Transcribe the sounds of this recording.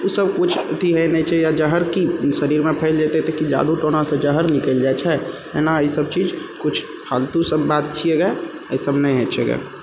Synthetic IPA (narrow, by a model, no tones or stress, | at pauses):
usəbkʊt͡ʃʰt̪ʰiɦɛnɛĩt͡ʃʰɛjad͡ʒəɦəɾkisəɾiːɾmẽpʰɛɪld͡ʒat̪et̪ekid͡ʒa̰ːd̪uʈoːñãsẽd͡ʒəɦəɾnɪkəld͡ʒaɛt͡ʃʰɛ | ɛnaisəbt͡ʃiːd͡ʒkʊt͡ʃʰ | kʰaːlt̪usəbːaːt̪̚t͡ʃʰieɡa | əisəbnɛĩɦɛt͡ʃeːɡa̰ː